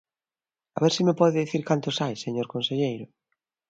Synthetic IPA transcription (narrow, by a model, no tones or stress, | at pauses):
aβeɾsimepɔðɪðiθiɾkant̪ʊsajseɲoɾkonseʎejɾʊ